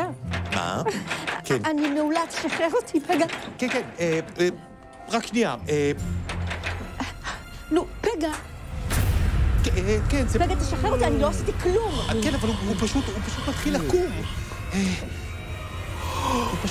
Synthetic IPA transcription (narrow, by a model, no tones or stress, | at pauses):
ama̰ | kenanimeulat̪e̥ʃaχeʁot̪ʰipʰeɡakenkene | ʁakʃnia̰ʔe | lupeɡa | kkenzepeɡat̪aʃaχeʁot̪ianiloasit̪ikʰlumkenavaluhupaʃut̪hupaʃut̪mat̪χilakuv | e | p